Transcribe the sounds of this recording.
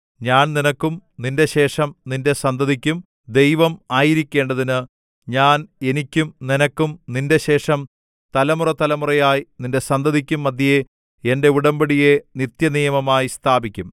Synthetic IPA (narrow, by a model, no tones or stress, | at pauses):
ɲaːnninɐkːumninde̞ɕe̞ːʂɐmninde̞sɐnd̪ɐðikʲːum | d̪e̞jʋɐmaːjiɾikʲːe̞ːɳɖɐðinɨ | ɲaːne̞nikʲːumninɐkːumninde̞ɕe̞ːʂɐm | t̪ɐlɐmurɐt̪ɐlɐmurɐjaːjininde̞sɐnd̪ɐðikʲːumːɐd̪ʱjije | ende̞uɽɐmbɐɽije̞nit̪jɐnijɐmɐmaːjist̪ʰaːbikʲːum